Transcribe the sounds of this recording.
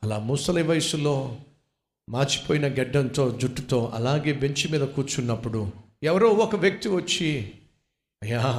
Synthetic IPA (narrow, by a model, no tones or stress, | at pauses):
ɐlaːmuːsɐliʋɐjɐsulo̞ː | maːɾt͡ʃi̥poːjinɐɡɛɖːɐnt̪o̞ːd͡ʒuʈːut̪o̞ːʔɐ̰laːɡe̞ːbe̞ɲt͡ʃimiːd̪ɐkuːt͡ʃunːɐpːuɽu | ɛʋɐɾoːɔkɐʋjɐk̚t̪iʋɐt͡ʃːi | ɐjaː